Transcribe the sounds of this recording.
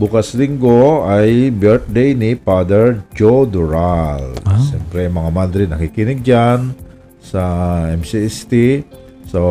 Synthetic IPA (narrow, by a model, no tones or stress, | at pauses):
bukasliŋɡoajbɛɾt̪̚dejnipad̪əɹd͡ʒod̪uɾalsɛmpɾɛmaŋamad̪ɾinakikinik̚d͡ʒan | saɛmsist̪i | so